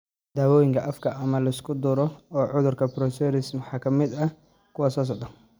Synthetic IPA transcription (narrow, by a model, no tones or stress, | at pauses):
d̪aːwɔːjɪŋkʰɐʔɐfkʰɐʔɐmɐlɐɪskʰʊd̪ʊɾɔɔːʕʊðʊrkʰɐpɾɔsɛɾɪsmħɑːkʰɐmɪd̪ɐ | kʰʊwasɔːs̬ɔʕd̪ɐn